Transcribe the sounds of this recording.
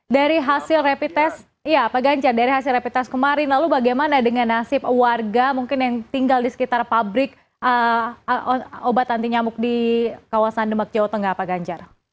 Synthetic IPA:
daɾiɦasɪlrepit̪ɛs | ijaːpaɡaɲd͡ʒardaɾiɦasɪlrepit̪ɛskəmaɾɪnlalubaɡajmanadəŋanːasɪpwarɡamuŋkɪnjaŋt̪iŋɡaldisə̥kit̪arpabɾɪk̚ | ə | obat̪ant̪iɲamʊk̚dikawasandəmak̚d͡ʒawot̪oŋɡaːpaɡaɲd͡ʒar

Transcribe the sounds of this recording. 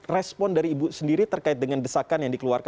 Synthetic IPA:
rɛspɔndaɾiːbusəndiɾit̪ərkaɪt̪̚dəŋandəsakanjaŋdikəluarka

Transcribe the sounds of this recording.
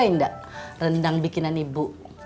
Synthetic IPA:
aindaʔrəndaŋbikinanibuʔ

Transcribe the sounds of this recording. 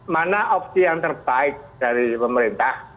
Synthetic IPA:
manaʔɔp̚sijaŋt̪ərb̥aɪk̚d̥aɾipəməɾint̪ah

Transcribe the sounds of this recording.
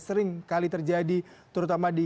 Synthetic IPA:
səɾɪŋkalit̪ərd͡ʒadit̪əɾut̪amadi

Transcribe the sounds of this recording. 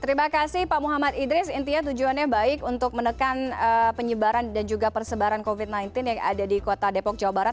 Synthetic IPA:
t̪əɾimakasɪhpamuɦamat̪idɾɪsint̪iat̪ud͡ʒuanjahbaɪkunt̪ʊk̚mənəkanəpəɲəbaɾandand͡ʒuɡapərsəbaɾankovɪt̪̚najnt̪ɪnjaŋʔa̰dadikot̪adepɔk̚d͡ʒawabaɾat̪̚

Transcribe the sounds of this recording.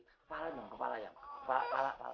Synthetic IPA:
palajaŋkəpa̰lajaŋəpala̰pa̰la̰pa̰

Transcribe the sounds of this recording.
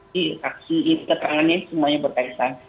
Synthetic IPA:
isak̚siːnik̪ət̪əɾaŋanɲasəmuaɲabərkait̪a

